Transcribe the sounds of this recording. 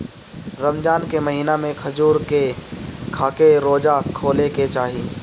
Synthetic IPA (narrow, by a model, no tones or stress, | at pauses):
ɾəmd͡ʒaːnkeməɦiːnamẽkʰɐd͡ʒuːɾkekʰaːkeɾoːd͡ʒakʰoːleket͡ʃaːɦi